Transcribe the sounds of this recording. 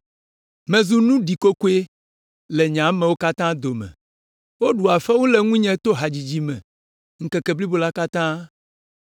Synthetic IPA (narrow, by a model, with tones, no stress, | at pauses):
mɛ̃˨zu˦nũ˦ɖi˨ko˦ko˦e˦ | lɛ˨ɲã˨˦mɛ̃˨wo˦ka˦t̪ã˦d̪o˨mɛ̰̃˨ | wo˦ɖu˨a˨fɛ˦wu˦lɛ˨ŋũ˦ɲɛ̃˦t̪o˦ɦa˨d͡ʑi˨d͡ʑi˦mɛ̰̃˨ | ŋ̩˨kɛ˨kɛ˨bli˦bo˨la˦ka˦t̪ã˦